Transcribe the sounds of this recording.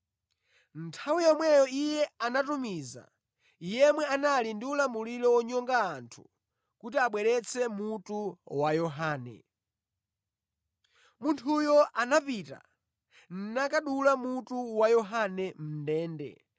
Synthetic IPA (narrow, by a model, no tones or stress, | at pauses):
n̩tʰawijɔmwɛjɔijɛanatumiza̰ | ijɛmwɛanalindiulamulilɔwɔɲɔŋɡaːntʰu̥ | kutiaɓwɛɾɛt͡sʰɛmutuwajɔɦaːnɛ̰ | muntʰujɔʔanapita̰ | n̩nakaɗulamutuwajɔɦanɛm̩ndɛːndɛ̰